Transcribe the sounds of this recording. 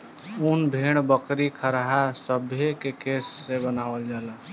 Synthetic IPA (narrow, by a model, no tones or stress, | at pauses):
unbʱeɽ̃bəkɾikʰəɾɦasəbʱjekekesːebənaʋəld͡ʒala